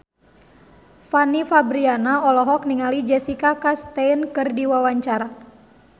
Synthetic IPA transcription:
fanifabɾianaɔlɔɦɔk̚niŋalid͡ʒɛsikakast̪ɛnkɨrdiwawaɲt͡ʃaɾa

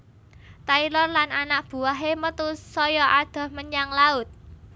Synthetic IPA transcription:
t̪ailɔrlananak̚b̥ṳaɦemət̪usɔjɔʔad̪̥ɔ̤hməɲaŋlaʊt̪̚

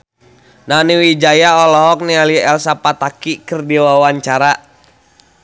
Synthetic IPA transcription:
naniwid͡ʒajaɔlɔɔk̚nialiɛlsapat̪akikɨrdiwawaɲt͡ʃaɾa

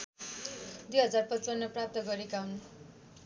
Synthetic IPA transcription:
d̪ujɦʌd͡zarpʌt͡sʌnːʌprap̚t̪ʌɡʌɾekaɦunu

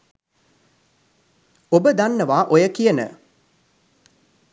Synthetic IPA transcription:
obəd̪anːəʋaːʔojəkijənə̰

